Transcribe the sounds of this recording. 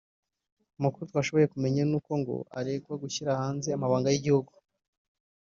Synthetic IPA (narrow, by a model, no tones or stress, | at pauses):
umukuɾut̪waʃo̞βo̞je̞kume̞ɲanuːko̞ŋɡo̞̰a̰ɾeɡwaɡuçiɾahaːnzeamaβaːŋɡajiɟihuɡu